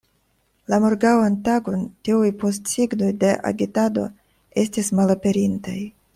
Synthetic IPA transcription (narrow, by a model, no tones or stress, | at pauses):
lamoɾɡawantaɡo̞ntiujpo̞stsiɡno̞jde̞ʔa̰ɡitado̞̰ | e̞stismalape̞ɾintaj